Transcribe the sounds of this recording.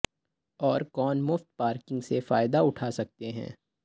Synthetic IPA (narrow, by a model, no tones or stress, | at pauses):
ɔːɾkɔːnmʊft̪̚paːɾkɪ̃ŋɡsefaːɪd̪aʊʈʰaːsɐk̚t̪eɦɛ̰̃ː